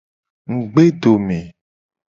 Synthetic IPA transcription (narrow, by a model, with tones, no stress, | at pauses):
ŋ̩˨ɡ͡be˦ɖo˨mẽ˨